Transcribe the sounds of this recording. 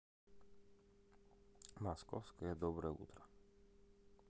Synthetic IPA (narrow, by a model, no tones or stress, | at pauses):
maskɔfskɛjɛd̪ɔbɾɛṵt̪ɾa